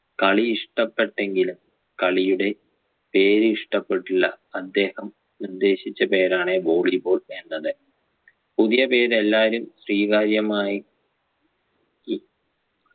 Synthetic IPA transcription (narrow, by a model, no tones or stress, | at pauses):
kɐɭiiʂʈɐpːe̞ʈːe̞ŋɡilum | kɐɭijuɽe̞ | pe̞ːɾɨiʂʈɐpːe̞ʈːiɭːɐ | ɐd̪ːe̞ːhɐm | nird̪e̞ːɕit͡ɕːɐpe̞ːɾaːɳebo̞ːɭibo̞ːɭenːɐðɨ | puðijɐpe̞ːɾelːaːɾumɕriːɣaːɾjɐmaːji | i